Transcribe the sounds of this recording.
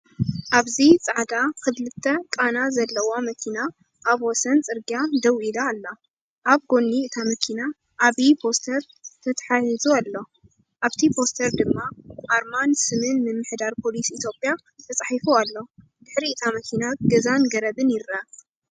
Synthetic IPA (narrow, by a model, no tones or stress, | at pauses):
ʔaβzit͡sʼaʕd̪akʰɨβlɨt̪ʰːɐkʼanazɐlːɐwomɐkʰina | ʔaβwɔsɐnt͡sʼɨɾɡiad̪ɐwʔid̪aːlːa | ʔaβɡo̞nːiɨt̪ʰamɐkʰina | ʔaβipʰo̞st̪ʰɐɾ | t̪ʰɐt̪ʰħajizualːo̞ | ʔaβt̪ʰipʰo̞st̪ʰɐɾd̪ɨmːaaɾmansɨmɨnmɨmːɨħd̪aɾpʰo̞lisit̪ʰjo̞pʼja | t̪ʰɐt͡sʼaħifualːo̞ | d̪̥ɨħɾiɨt̪ʰamɐkʰinaɡɐzanɡɐɾɐbɨnjɪɾɐ